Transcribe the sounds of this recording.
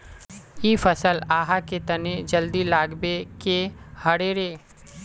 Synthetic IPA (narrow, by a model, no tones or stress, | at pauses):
iːfɐsəlaːɦaket̪ɐned͡ʒəld̪ilaːɡbekehɐɽeːɾeː